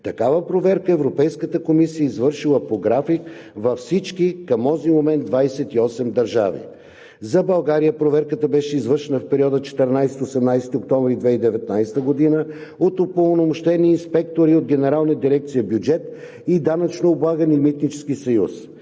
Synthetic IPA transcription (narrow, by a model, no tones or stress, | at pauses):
t̪ɐkavəpɾovɛɾkəɛvɾopɛjskət̪əkomisijəizvɤɾʃilˠəpoɡɾafikvɐfsit͡ʃkikɐmɔzimomɛnd̪vajsɛt̪iɔsɛmd̪ɐɾʒa̰vḭ | zɐbɐlˠɡaɾijəpɾovɛɾkət̪əbɛʃɛizvəɾʃɛnəfpɛɾʲiɔd̪ət͡ʃɛ̥t̪ɛɾnajsɛt̪iosɛmnajsɛ̥t̪iok̚t̪ɔ̃ɱvɾid̪vɛid̪ɛvɛt̪najst̪əɡod̪inə | ot̪ʊpolˠnomoʃt̪ɛniːnspɛkt̪oɾiod̪ɡɛnɛɾalˠnəd̪iɾɛk̚t̪sijəbjud͡ʒɛt̪ | id̪anɐt͡ʃnoːblˠaɡənimit̪nit͡ʃɛ̥skisɐjus